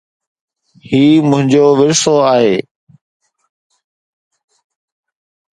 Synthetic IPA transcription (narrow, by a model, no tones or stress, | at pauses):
hiːmʊ̃ɦɪ̃ɲd͡ʑoːʋɪɾsoːaːɦeː